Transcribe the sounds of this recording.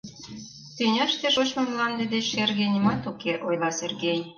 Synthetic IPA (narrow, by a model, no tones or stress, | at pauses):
t̪ynʲɑʃt̪eʃot͡ɕmɤ̆mlɑnd̪ĕd̪et͡ɕʃerɣenʲimɑt̪ukeʔojlɑserɣenʲ